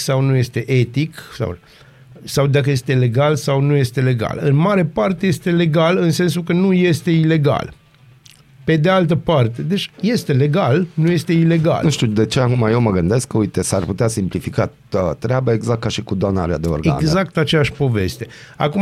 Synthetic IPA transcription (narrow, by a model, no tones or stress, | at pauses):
sawnuje̞st̪e̞ʔe̞t̪iksa̰w | sawd̪ak̬əje̞st̪e̞le̞ɡalsawnuje̞st̪e̞le̞ɡa̰lɨnmaɾe̞part̪e̞je̞st̪e̞le̞ɡalɨnse̞ns̬ukənuje̞st̪e̞ile̞ɡa̰l | pe̞d̪ealt̪̬əpart̪e̞d̪e̞t͡ʃʲje̞st̪e̞le̞ɡalnuje̞st̪e̞ile̞ɡa̰lnuʃt̪ud̪e̞t͡ʃeakumajewməɡɨnd̪e̞skkəujt̪esarput̪easimplifika | ət̪ɾeabəe̞ɡzak̚t̪̚kːaʃikud̪ana̰ɾea̰d̪eo̰rɡea̰nɡzakt̪at͡ʃejaʃʲpo̞ve̞̰st̪e̞a̰ku